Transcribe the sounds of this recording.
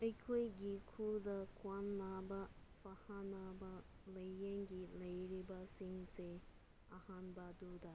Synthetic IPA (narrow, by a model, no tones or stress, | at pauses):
əjkʰujɡikʰuld̪ɐkwanlabapɐhanabaləjːeŋɡiləjɾibasiŋse | ɐhanbad̪ud̪a